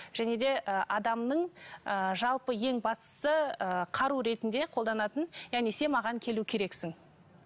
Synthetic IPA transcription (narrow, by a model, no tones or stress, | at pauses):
ʒ̥æne̞d̪e̞əʔɑd̪ɑmnəɴəʒɑlˠpəje̞ŋbɑst̪ə̥səəqʰɑɾuɾe̞t̪ɪnd̪e̞qʰolˠd̪ɑnɑt̪ənjæʁnese̞mɑʁɑŋkʲʰe̞lukʲʰe̞ɾe̞ksɪŋ